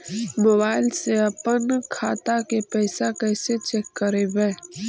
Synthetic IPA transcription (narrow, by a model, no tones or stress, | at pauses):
moːbaːɪlseəpənkʰaːt̪akepɛːsakɛːset͡ʃeːkːəɾebɛː